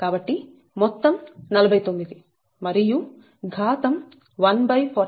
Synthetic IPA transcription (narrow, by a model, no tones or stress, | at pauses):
kaːbɐʈːi | mɔt̪ːɐmnɐlɐbʱɐjt̪omːid̪i | mɐɾiju | ɡʱaːt̪ɐm | ʋɐnbɐjpʰɐ